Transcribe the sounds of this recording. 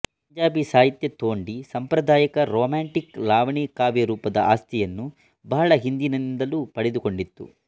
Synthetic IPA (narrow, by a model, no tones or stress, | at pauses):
ppɐɲd͡ʒaːbisaːɦit̪jɐt̪oːɳɖisɐmpɾɐd̪ʱaːjɐkɐɾoːmaːɳʈiklaːʋɐɳiːkaːbjɐɾuːpɐd̪ɐʔaːst̪ʰijɐnːu | bɐɦɐɭɐɦind̪inɐind̪ɐluːpɐɽɛd̪uko̞ɳɖit̪ːṵ